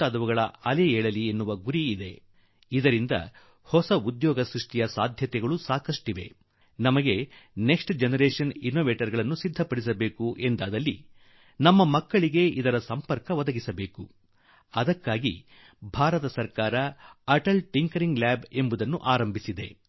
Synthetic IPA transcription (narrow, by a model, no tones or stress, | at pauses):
aːd̪ɐʋɐɡɐɭɐ̰ɐlɛɛːɭɐlienːuʋɐɡuɾiːd̪e̞ | id̪ɐɾind̪ɐ̰ | hɔsɐud̪jɔːɡɐsɾuʂʈijɐsaːd̪ʱjɐt̪ɛɡɐɭusaːkɐʂʈiʋe̞̰ | nɐmɐɡe̞neksʈd͡ʒenɐɾeːʂɐninoːʋeːʈɐɾɡɐɭɐnːusid̪ʱːɐpɐɽis̬ɐbe̞ːkuʔe̞nd̪aːd̪ɐlːi | nɐmːɐmɐkːɐɭiɡe̞id̪ɐɾɐsɐmpɐɾkɐʋɐd̪ɐɡisɐbe̞ːku | ɐd̪ɐkːaːɡḭ | bʱaːɾɐt̪ɐsɐɾkaːɾɐɐʈɐlʈiŋkɐɾiŋɡlaːbe̞mbud̪ɐnːṵʔaːɾɐmbʱisid̪e̞